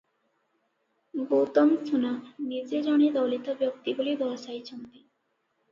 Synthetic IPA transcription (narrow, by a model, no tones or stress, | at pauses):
ɡowt̪omst̪ʰunanid͡ʑed͡ʑɔned̪ɔwlit̪objok̚t̪ibulid̪ɔɦasajt͡ɕʰont̪i